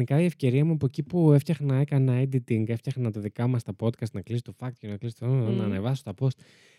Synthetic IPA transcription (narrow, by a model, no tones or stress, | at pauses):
mikɾɐiefce̞ɾiɐmuɐpoecipuefçɐxnɐe̞kɐnɐid̪it̪iŋɡe̞ft̪çɐxnɐt̪ɐðikɐmɐst̪ɐpo̞t̪kɐst̪nɐklisi̥t̪ofɐkt̪jeoɐklisit̪nɐːne̞vɐsot̪ɐpo̞st̪